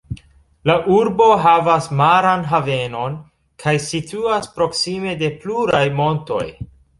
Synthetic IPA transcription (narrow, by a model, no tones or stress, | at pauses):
laʔuɾbo̞ɦavasmaɾanɦave̞no̞n | kʰajsituaspɾo̞ksime̞de̞pluɾajmo̞nto̞̰j